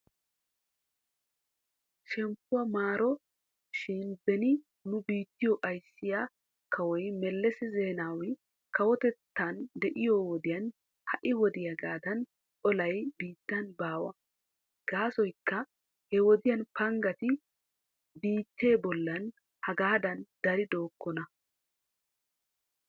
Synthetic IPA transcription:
ʃɛmpːʊwɐmaːɾɔ | ʃɪnbɛnɪ | nʊbiːt̪ːɪjɔʔɐjsːɪja | kʰɐwɔjmɛlːɛsɛze̞ːnaːwɪ | kɐwɔt̪ɛt̪ːɐnd̪ɛʔɪjɔwɔd̪ɪjɐn | hɐʔɪwɔd̪ɪjɐɡaːd̪ɐn | ʔɔlɐjbiːt̪ːɐnbaːwɐ̰ | ɡ̥aːsɔjkːɐ | hɛwɔd̪ɪjɐnpɐŋɡɐt̪ɪ | biːt̪ːe̞ːbɔlːɐn | hɐɡaːd̪ɐnd̪̥ɐɾɪd̪o̞ːkːɔnɐ

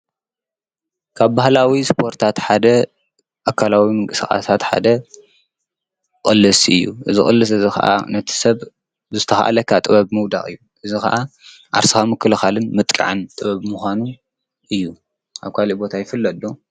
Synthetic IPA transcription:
kʰaβbahlawispʰo̞ɾt̪ʰat̪ħad̪ɐ | ʔakʰalawimɨŋkʼɨsɨxʼa̰sat̪ħa̰d̪ɐ | kʼɨlːɨsɨ̰jːṵʔɨzixʼɨ̰lːɨs̬ɨzixɐ̰ʔa̰nɐt̪ʰi̥sɐβ | zɨt̪ʰɐxa̰ʔa̰lɐkʰːat̪ʼɨβɐβmɨwd̪a̰χʼɨ̰jːuʔɨzixɐ̰ʔa | ʔa̰ɾsɨxamɨkːɨlɨxalɨnmɨt̪ʼkʼa̰ʕɨnt̪ʼɨβɐβmuxʷanu | ʔɨjːu | ʔaβkʰalibo̞t̪ʰajɪfɨlːɐd̪o

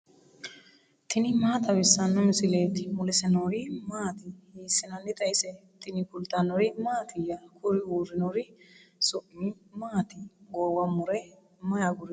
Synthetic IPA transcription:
t̪ɪnɪmaːt̪ɐwɪsːɐnːɔmɪsɪleːt̪ːɪmʊlɛsɛnoɾɪmaːt̪ɪhiːsːɪnɐnːɪt̪ʼɐjɪsɛt̪ɪnɪkʊlt̪ːɐnɔɾɪmaːt̪ʰɪjɐkʰʊɾɪuːɾɪnɔɾɪsʊʔɪ | maːt̪ɪɡɔːwɐmʊɾɛ | mɐjaɡʊɾɛ

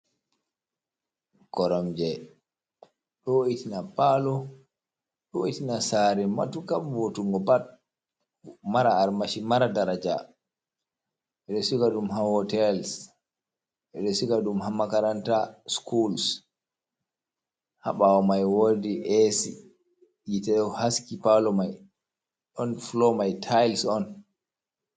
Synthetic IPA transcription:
kɔɾɔmd͡ʒɛ | ɗɔitinapalɔ | ɗɔitinasaɾɛma̰tukamvotuŋɡɔbat̚ | maɾaːɾmaʃimaɾadaɾad͡ʒa̰ | ʔɛɗɔsikaɗumɦahɔtɛls | ʔɛɗɔsukaɗumhamːakaɾantaskʰuls | ha̰ɓawɔmajwodiʔɛsi | jitɛɗhaskipalɔmaj | ɗɔnflɔmajtʰajlsɔn

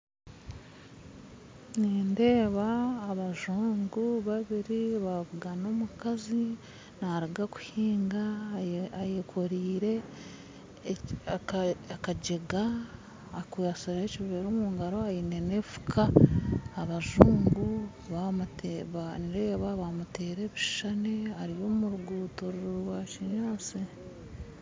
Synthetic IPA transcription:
niːnde̞ːβaːβaʒuːŋɡuβaβiɾiβaβuɡano̞mukazi | naɾiɡaku̥hiːŋɡa | ajekʰoɾiːɾe̞ | akakaɟe̞ɡaː | kujasiɾeciββeɾoːmuːŋɡaɾo̞ajinene̞fu̥kʰaː | βaʒuːŋɡu | βamutβaniɾeβaβamute̞ːɾe̞βiʃaneaɾijo̞ːmuɾuɡuːtoɾuɾuɾwaciɲaːsi

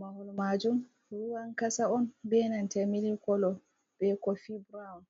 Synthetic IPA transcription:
mahulmad͡ʒum | ɾuwankasaɔnbɛnantɛmilikɔlɔ | b̥ɛkɔfibɾaɔn

